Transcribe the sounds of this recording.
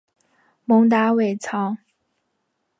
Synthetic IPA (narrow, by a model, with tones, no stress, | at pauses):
mʊ˧˥ŋt̪̬a˧˥we˨˩ɪt͡sʰɑ˧˥ŋ